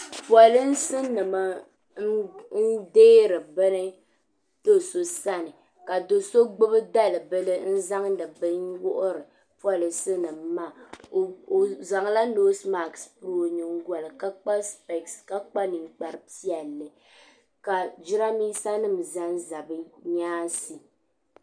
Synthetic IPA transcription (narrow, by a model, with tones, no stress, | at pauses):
pwa˨lɨ˦n̩˦sɨ˦nɨ˨ma˦ | n̩˦deː˦ɾɨ˨bɨ˦nɨ˦ | d̥o˦so˦sa˦nɨ˨ | ka˨do˨so˦ɡ͡bɨ˦bɨ˦da˦˨lɨ˨bɨ˦lɨ˦n̩˦za˦ŋdɨ˨bɨ˦wʊ˦ʔʊ˦ɾɨ˨ | pwa˦˨lɨ˨˦sɨ˦nɨ˨m˦ma˦˨ | za˨ŋla˦noː˦sma˨kspɾo˦ɲɨ˨ŋ̩˦ɡʷɔ˨lɨ˨ka˦k͡pa˦spɛ˨kska˦k͡pa˦nɨ˨ŋk͡pa˨ɾɨ˨pi˦ɛ˨lːɨ˨ | ka˨d͡ʒɪ˦ɾa˦miː˦sa˦nɨ˦˨m˨za˦n˦za˨bɨ˦ɲaː˦si˨